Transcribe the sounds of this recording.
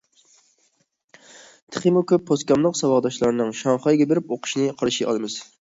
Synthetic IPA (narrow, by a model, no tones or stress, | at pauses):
t̪ʰə̥χʰimukʲøpʰːoskʲɑmlˠəqsɑwɑʁd̪ɑʃlˠɑɾɨnɨŋʃɑŋχɑjɡʲɛbeɾɪpoqʰʊ̥ʃinɨqʰɑɾɨʃiʔɑ̰lˠɨmɨz̥